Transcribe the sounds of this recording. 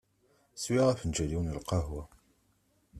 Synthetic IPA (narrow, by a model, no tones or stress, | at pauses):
swiʁæfənd͡ʒæliwnəlqɑɦwa